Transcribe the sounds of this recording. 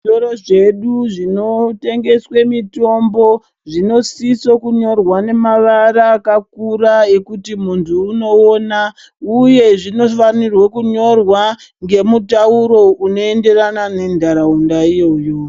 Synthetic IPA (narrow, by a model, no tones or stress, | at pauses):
oɾoʐe̞ɗuʐino̞te̞ŋɡe̞swe̞mito̞mbo̞ | ʐino̞sisokuɲo̞rwane̞maʋaɾaːkakuɾae̞kutimuntʰuːno̞ona | uje̞ʐino̞fanirwokuɲo̞rwa | ŋɡe̞mutauɾo̞uno̞e̞nde̞ranane̞ndʱaɾaundaijo̞jo